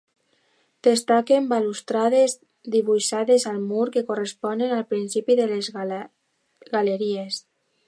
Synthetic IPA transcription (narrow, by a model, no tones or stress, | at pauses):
d̪̥est̪akembalust̪ɾaðez | d̪iβuʃaðezalmuɾkekorespɔnenalˠpɾinsipiðelez | ɣaleɾies